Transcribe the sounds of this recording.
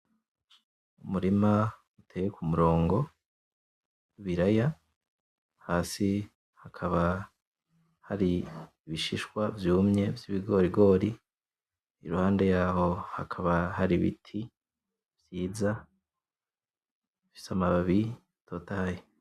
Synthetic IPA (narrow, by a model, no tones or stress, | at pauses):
umuɾima | utʰeːjekʰumuɾo̞ːŋɡo̞ | iβiɾaja | haːsi | hakʰaβa | haɾiː | βiʃiʃkwavjuːmɲe̞vjiβiɡo̞ɾiɡo̞ːɾi | iɾuhaːnde̞jaːho̞hakʰaβahaɾiβḭtʰi | vjiːza | ifi̥samaβaβi | tʰo̞ːtahaje